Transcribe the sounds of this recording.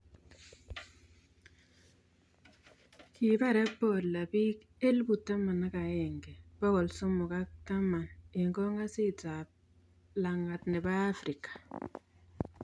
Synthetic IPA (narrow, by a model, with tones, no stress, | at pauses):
ki˨ba˦˨ɾɛ˦pːo˨la˨bi˦k | e˦lbu˨ta˦ma˨na˦ka˨ɛ˨ŋɡɛ˨b̥ɔ˦kɔ˨lsʊ˦mʊ˨ka˦k̚ta˦ma˨nɪ˨ŋɡɔ˦ŋa˦si˦ta˨p̚ | la˨ŋa˨tnɛ˨baː˦fɾi˨kḁ˨